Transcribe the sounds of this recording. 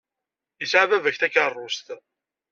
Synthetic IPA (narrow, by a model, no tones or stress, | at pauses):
jəsʕvævæçθækːərˤːʊst̪